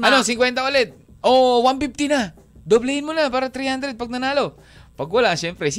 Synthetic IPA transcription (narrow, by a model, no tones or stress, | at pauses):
ɐnosɪŋkwɛnt̪aʔolɛt̪̚ | ʔowanpib̚t̪ɪna | d̪oblɛɪnmonapaːɾat̪ɾihand̪ɾɛd̪̚pɐɡ̚nɐnaːlo | pɐɡwalaʃjɛmpɾɛs